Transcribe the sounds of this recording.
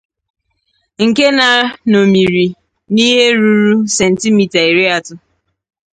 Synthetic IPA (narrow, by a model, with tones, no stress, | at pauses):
ŋ̩˨ke˦na˨no˨mi˨ɾi˨ | ni˦ɦe˦ɾu˦ɾu˦sɛ˨n̩˨ti˦mi˨ta˨i˨ɾe˦a˦tʊ˦